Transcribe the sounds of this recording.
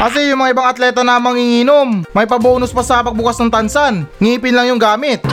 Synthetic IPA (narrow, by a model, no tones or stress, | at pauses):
ʔɐs̬ɪjʊŋmɐŋaɪbaŋɐt̪lɛːt̪ɐnɐmɐŋiŋiːnomːɐjpɐboːnʊspɐsɐɐpɐɡ̚bʊkasnɐŋt̪ɐnsanŋiːpɪnlɐŋjʊŋɡaːmɪt̪̚